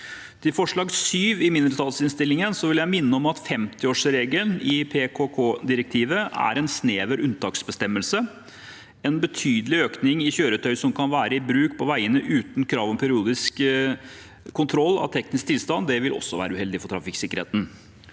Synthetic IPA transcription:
t̪ʰɪfɔʂɭɑːɡsyːʋɪmɪnd̪əɾət̪ʰɑlsɪnst̪ɪlːɪŋənsɔʋɪljæɪmɪnːəɔmɑt̪fɛmt̪ɪoːʂɾeːɡənɪpʰekʰokʰoːd̪ɪɾɛk̚t̪ʰiːʋəæ̰ɾɛnsneːʋəɾʉnt̪ʰɑːksbəst̪ɛmːəlsə | ɛnbət̪ʰyːd̪əlɪøːknɪŋɪçøːɾət̪ʰœʏsɔmkʰɑnʋæːɾəɪbɾʉːkpʰɔʋæɪənəʔʉːt̪n̩kʰɾɑːʋɔmpʰɛɾɪuːd̪ɪsk | kːʊnt̪ʰɾɔlːɑ̰ʋt̪ʰɛknɪsk̚t̪ʰɪlst̪ɑnd̪ɛʋɪlʔɔ̰sːɔʋæ̰ːɾəʉːhɛld̪ɪfɔʈtʰɾɑfɪksɪkəɾhḛːt̪n̩

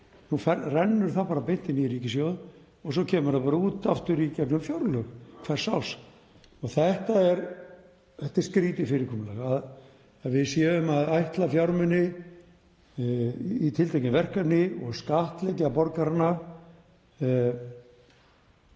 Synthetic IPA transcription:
nufɛrɛnːʏɾ̥θapaːɾapɪn̥t̪ɪnɪiɾiːcɪsjowð | ɔɣs̬ɔcʰɛːmʏɾapaːɾauːt̪aft̪ʏɾicɛpnʏmfjɔwɾlœxkʰvɛr̥sːaws | ɔɣθɛht̪aɛɾ | θɛht̪ɪ̥skɾiːt̪ɪfɪɾɪkʰɔːmɪnlɛ̰ɣað | vɪðsjɛːðʏmaðajht̪lafjawɾmɪnːɪ | it̪ʰɪlt̪ʰajcɪmvɛr̥kapnɪɔɣskaht̪lɛcɪapɔɾkaɾana

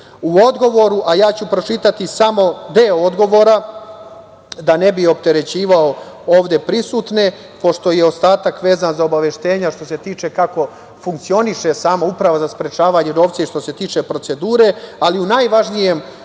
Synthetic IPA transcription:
uo̞d̪ɡo̞ʋo̞ɾuʔajaːt͡ɕupɾo̞t͡ʂit̪at̪isamo̞d̪eood̪ɡo̞ʋo̞ɾa | d̪ane̞bio̞p̚t̪e̞ɾe̞t͡ɕiːʋao | oːʋd̪e̞pɾisuːt̪ne̞ | po̞ʃt̪o̞jeo̞st̪aːt̪akʋe̞ːzanzaobaʋe̞ʃt̪e̞ːɲaʃt̪o̞se̞t̪iːt͡ʃe̞kako̞ | fuŋkt̪sio̞niʃe̞saːmaupɾaʋazaspɾe̞t͡ʃaːʋaːɲeno̞ːʋt̪seiʃt̪o̞se̞t̪iːt͡ʂe̞pɾo̞t̪se̞d̪uːɾe̞aliunajʋaʒnije̞m

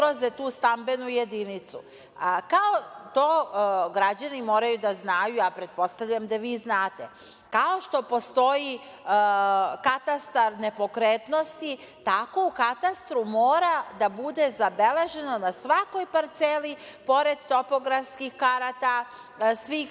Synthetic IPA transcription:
ɾozet̪uːst̪ambe̞nujed̪init̪su | kaot̪o̞ːɡɾad͡ʑanimo̞ːɾajud̪aznaːjuapɾe̞t̪̚po̞st̪avʎamd̪aʋiːznaːt̪e | kao̞ʃt̪o̞po̞st̪o̞ji | kat̪ast̪aɾne̞po̞kɾeːt̪no̞st̪i | t̪ako̞ukat̪ast̪ɾumoːɾad̪abud̪e̞zabe̞leʒe̞no̞nasʋako̞jpaɾt̪selipo̞ɾe̞d̪t̪o̞po̞ɡɾafskixkaɾat̪a | sʋiːx

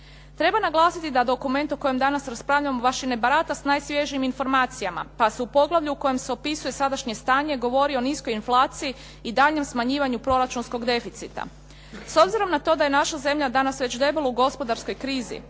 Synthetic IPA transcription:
t̪ɾe̞banaɡlˠaːsit̪id̪ad̪o̞kume̞nt̪oko̞jemd̪anasɾaspɾaːʋʎamoʋaʃinebaɾat̪asnaːjsʋje̞ʒiiminfo̞ɾmaːt̪sijama̰paseupo̞ɡlˠaʋʎuuko̞je̞mseo̞pisuje̞sad̪aʃɲe̞st̪aːɲe̞ɡo̞ʋo̞ɾio̞nisko̞jinflˠaːt̪siji | id̪aʎɲe̞msmaɲiːʋaɲupɾo̞ɾat͡ʃunsko̞ɡd̪e̞fit̪sit̪a̰ | so̞bziɾo̞mnat̪o̞d̪aje̞naʃaze̞mʎad̪anasʋe̞t͡ɕd̪e̞beluuɡo̞spo̞d̪aɾsko̞jkɾiːzḭ

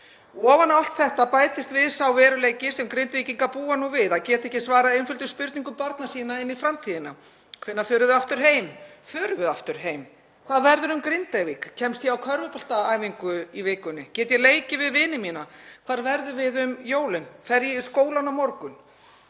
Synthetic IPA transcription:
ɔːvanal̥t̪θɛht̪apaːjt̪ɪst̪vɪðsawvɛːɾʏleːjcɪsɛmkɾɪnt̪viciŋkapuːanuvɪðaðcɛːt̪ɛhcɪsvaːɾaðejnfʏlt̪ʏspʏɾt̪niŋkʏmpaɾt̪̚nasiːnaɪnːifɾamt̪ʰiːðɪna | kʰvɪnːafʏːɾʏðʏðaft̪ʏɾ̥ɦeːjmfʏːɾʏvʏðaft̪ʏɾ̥ɦeːjm | kʰvaðvɛɾðʏɾʏmkɾɪnt̪avikcʰɛmst̪jɛawkʰœɾvʏpɔl̥t̪aaːjviŋkʏivɪːkʏnːɪcɛːt̪jɛleːjcɪvɪðvɪnɪmiːnakʰv̥aːɾvɛɾðʏvɪðʏmjoːwlɪnfɛɾjɪskoːwlanawmɔɾkʏn

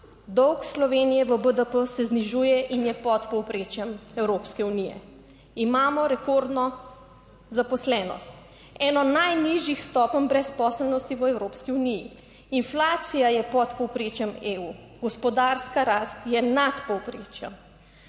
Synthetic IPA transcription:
d̪ɔwkslɔʋeːnijɛʋəbəd̪əpəsɛzniʒuːjɛʔinjɛpɔt̪pɔwpɾeːt͡ʃjɛmɛwɾoːpskɛunijɛ̰ | imaːmɔɾɛkoɾd̪nɔ | zapɔslɛːnɔ̰st̪ | ɛːnɔnajniʒjixst̪ɔːpənbɾɛspɔːsəlnɔst̪iʋəɛwɾoːpskiuniji | inflaːt̪sijajɛpɔt̪pɔwpɾet͡ʃjɛmeuː | ɡɔspɔd̪aːɾskaɾaːst̪jɛnat̪pɔwpɾeːt͡ʃjɛm

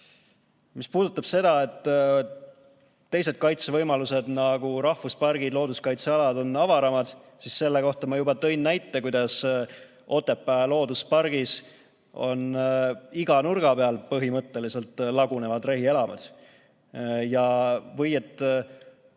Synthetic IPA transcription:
mispuːd̪̥ut̪ːˑɑb̥se̞d̪̥ɑe̞t̪ː | t̪ːe̞jse̞d̪̥̚kɑjt̪sevɤjmɑluse̞d̪̥nɑɡ̥uɾɑhvuspɑrɡ̥id̪lo̞ːd̪uskɑjt̪seɑlɑd̪o̞nːɑvɑɾɑmɑd̪̥sisːe̞lːeko̞ht̪ɑmɑjubɑt̪ɤ̞jnːæjt̪ːˑekujd̪̥ɑs | o̞t̪ːˑe̞pːˑælo̞ːd̪uspɑrɡ̥is | o̞̰n | iɡ̥ɑnurɡ̥ɑpeɑlpɤɦimɤt̪ːe̞lise̞lt̪ːˑlɑɡune̞vɑd̪re̞ɦie̞lɑmɑ̰ds | jɑvɤje̞t̪ːˑ

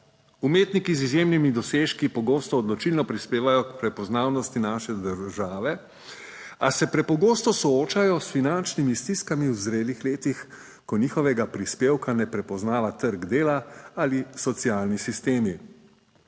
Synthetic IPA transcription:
umeːt̪nikizizjeːmnimid̪ɔseːʃkipɔɡoːst̪ɔːd̪lɔt͡ʃilnɔpɾispeːʋajɔkpɾɛpɔznaːwnɔst̪inaːʃɛd̪əɾʒaːʋɛ | asɛpɾɛpɔɡoːst̪ɔsɔoːt͡ʃajɔsfinant͡ʃnimist̪iskamiwzɾeːlixleːt̪ix | kɔniːxɔʋɛɡapɾispeːwkanɛpɾɛpɔznaːʋat̪əɾɡd̪eːlaalisɔt̪siaːlnisist̪eːmi

